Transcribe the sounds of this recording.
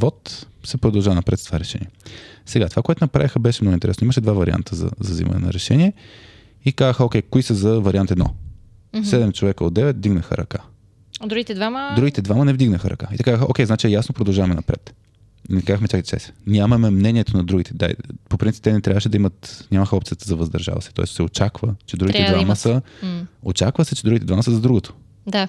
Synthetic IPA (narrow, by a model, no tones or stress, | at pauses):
vɔt̪sɛpɾod̪ɐlˠʒavnɐpɾɛt̪t̪ovaɾɛʃɛ̰niɛsɛɡat̪o̥vakoɛt̪ʊnɐpɾa̰vixəbɛʃɛmnɔɡʊint̪ɛɾɛ̰snoiməʃɛd̪vavɐɾʲia̰nt̪ʰəzɐ̰zɐzḭmɐ̰nɛ̰nɐ̰ɾɛʃɛniɛ | ikazəxəɔkʲɛjkoisəzɐvɐɾʲiant̪ɛd̪nɔ̰ | sɛd̪ɛmt͡ʃovɛkəo̰d̪d̪ɛvɛt̪vd̪iɡnəxə̰ɾɐ̰ka | d̪ɾuɡit̪ɛd̪vaməd̪ɾuɡit̪ɛd̪vamənɛvd̪iɡnəxəɾɐ̰kaḭt̪ɐkazəxəʔo̰kʲɛjznat͡ʃiɛjasnopɾod̪ɐlˠʒavɐmɛnɐpɾɛ̰t̪ | inɛkazəxmɛt͡ʃakit͡ʃɛ̰sɛ̥nʲamɐmɛmnɛniɛt̪onɐd̪ɾuɡʲit̪ɛ̥d̪a̰popɾinip̚t̪ɛnɛt̪ɾʲavəʃɛd̪ɐimət̪nʲaməxəɔpt̪sijət̪əzɐvɐzd̪ɐɾʒa̰vɐ̰sɛ̥t̪ɔ̰ɛst͡ʃsɛot͡ʃakvət͡ʃɛd̪ɾuɡit̪ɛd̪vaməsə | o̰t͡ʃakvəsɛt͡ʃɛd̪uɡit̪ɛd̪vaməsəzɐd̪ɾuɡot̪ʰo̥ | d̪a